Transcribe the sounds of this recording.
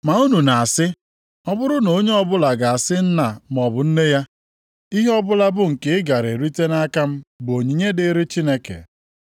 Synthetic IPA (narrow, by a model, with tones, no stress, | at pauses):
ma˨u˦nu˨na˨a˨sɪ˦ | ɔ˦bʊ˦ɾʊ˦no˨˦ɲe˦ɔ˦˨bʊ˦la˨ɡa˨a˨sɪ˦n̩˦na˨m˨ɔ˨bʊ˨n̩˦ne˦ja˦ | i˦ɦe˦ɔ˦bʊ˦la˦bʊ˦ŋ̩˨ke˦ɪ˦ɡa˨ɾe˨ɾi˦te˦na˦ka˦m̩˦bo˨ɲi˨ɲe˦dɪ˦ɾɪ˦t͡ʃi˦ne˦kḛ˨